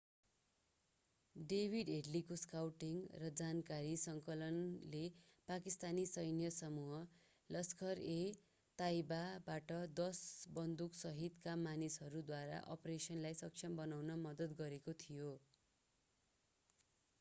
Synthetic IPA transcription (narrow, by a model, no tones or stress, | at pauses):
ɖebʱiɖeɖlikoskawʈiŋrʌd͡zankaɾisʌŋkʌlʌnlepakist̪anisʌjnjʌsʌmuɦʌ | lʌskʰʌre | t̪aibabaʈʌd̪ʌsbʌnd̪uksʌɦit̪kamanisɦʌɾud̪waɾa̰ʔʌ̰presʌnlajsʌk̚t͡ʃʰʌmbʌnawnʌmʌd̪ʌt̪ɡʌɾekot̪ʰijo